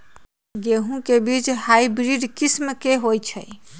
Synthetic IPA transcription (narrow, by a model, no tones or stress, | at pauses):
ɡeɦũkebid͡ʒhaibɾiɖkismkeɦojt͡ʃʰə̰j